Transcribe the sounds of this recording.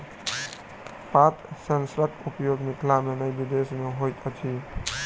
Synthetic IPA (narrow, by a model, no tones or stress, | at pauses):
pat̪ʰsənsɾəkʈʰupjoɡmikʰlamenəjbid̪esmeɦojt̪ʰət͡ʃʰi